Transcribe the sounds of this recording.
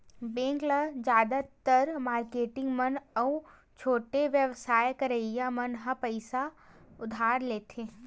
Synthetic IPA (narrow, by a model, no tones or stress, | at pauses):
bẽːŋɡləd͡ʒaːd̪at̪əɾmaːɾkeːʈɪ̃ŋɡmənɔ | t͡ʃʰoːʈeʋjəʋsaːjkəɾəjamɐnɦapəɪsaʊd̪ʱaːɾleːt̪ʰeː